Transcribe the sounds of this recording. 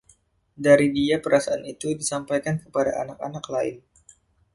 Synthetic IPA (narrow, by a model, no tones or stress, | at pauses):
daɾidiapəɾasaanit̪udisampajkankəpadaʔa̰nak̚a̰naklaɪ̰n